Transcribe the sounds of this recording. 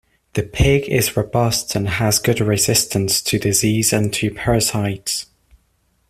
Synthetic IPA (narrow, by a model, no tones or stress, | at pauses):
ðəpʰɪɡɪ̰zɹəbʌstʰə̃nəzɡʊdɹɪzɪstʰə̃nstʰədɪziːzə̃ntʰəpʰɜ˞saɪdz̥